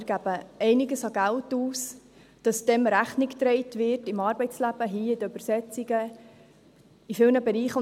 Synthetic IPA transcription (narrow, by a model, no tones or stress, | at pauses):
ɾɡ̥æbəɛɪnɪɡəsɑɡæltuːs | d̥ɑsd̥ɛmɾæχnɪkt̪ɾɛɪtvɪrtɪmɑːɾbɛɪt͡slæb̥əɦiːɪdəyb̥əɾsɛt͡siɡə | ifɪlnəbɛɾiːχʊ